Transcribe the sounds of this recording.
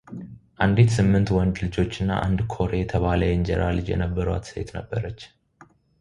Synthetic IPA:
ʔand̪it̪sɨmːɨnt̪wɔnd̪lɨd͡ʒo̞t͡ʃːɨnːa̰ʔand̪kʰo̞ɾe̞jɛt̪ʰəβaləjɪnd͡ʒɛɾʔalɨd͡ʒjɛ̰nəbːəɾa̰t̪sḛt̪nəbːəɾət͡ʃː

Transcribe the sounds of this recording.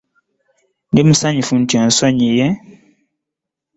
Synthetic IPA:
dem̩saɲĩfun̩tɛ̃n̩sɔɲijɛ

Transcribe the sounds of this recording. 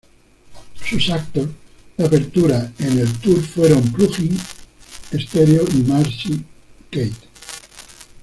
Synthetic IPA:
susak̚t̪o | d̪apeɾt̪uɾaenelt̪uɾfweɾaumpluxiŋ | est̪eɾjoimaɾsikejt̪

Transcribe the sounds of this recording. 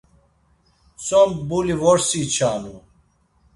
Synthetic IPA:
sombuliwoɾsit͡ɕʰaːnu

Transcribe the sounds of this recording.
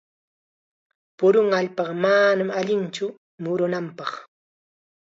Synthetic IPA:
pʊɾʊŋaʎpɑɢɑmanamaʎɪnt͡ʃʊ | mʊɾʊnampɑχ

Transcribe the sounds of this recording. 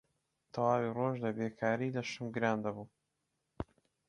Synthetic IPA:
t̪ʰɐwaːwiroʒd̪ɐbeːkʰaːɾiːlɐʃɨmɡɨɾaːnd̪ɐbuː

